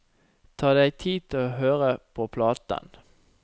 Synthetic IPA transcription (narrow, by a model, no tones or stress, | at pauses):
t̪ʰɑːd̪æɪt̪ʰiːt̪ʰloɦøːʁəpʰoːpʰlɑːt̪ə̰n